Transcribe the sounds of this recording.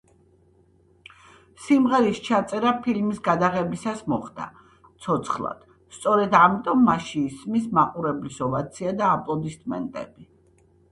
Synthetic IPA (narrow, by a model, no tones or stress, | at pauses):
simʁɛɾist͡ʃʰat̪sʼɛɾapʰilmisɡad̪aʁɛbisasmɔχd̪a̰ | t̪sʰɔt̪sʰχlˠa̰d̪̥ | st̪sʼɔɾɛd̪amit̪ʼɔmːaʃiːsmismaqʼuɾɛblisɔvat̪sʰiad̪aːpʼlˠɔd̪ist̪ʼmɛ̰nt̪ʼɛ̰bi